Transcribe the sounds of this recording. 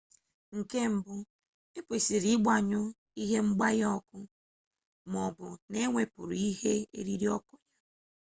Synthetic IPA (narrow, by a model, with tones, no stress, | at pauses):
ŋ̩˨ke˦m̩˨bʊ˦ | e˦pe˨si˨ɾi˦ɡ͡ba˨ɲʊ˦ | i˦ɦe˦ŋ͡m̩˦ɡ͡ba˦jɔ˦kʊ˦ | m˨ɔ˨bʊ˨ne˦ŋʷe˨pʊ̰˨ɾi˦ɦe˦ḛ˦ɾi˦ɾi˦ɔ˦kʊ˦ɲa˦